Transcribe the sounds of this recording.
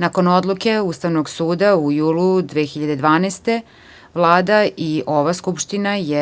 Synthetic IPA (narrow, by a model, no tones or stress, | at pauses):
nako̞no̞d̪lˠuke̞ust̪aʋnoɡsuːd̪aujuːlud̪ʋexiʎad̪e̞d̪ʋaːnɛːst̪e̞ | ʋlˠaːd̪aiʔo̞ʋaskupʃt̪inaje